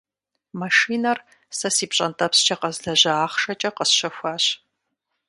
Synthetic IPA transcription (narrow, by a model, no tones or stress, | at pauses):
mɐʂiːnɐr | sɐsiːpɕʼɐntʰʼɐpst͡ʃʰɐqɐzɮɐʑɐaːχʂɐt͡ʃʼɐqəsɕɐxʷaːɕ